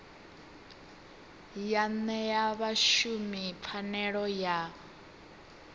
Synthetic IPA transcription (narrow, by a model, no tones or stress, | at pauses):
janɛjaβaʃumifʰanɛɺɔja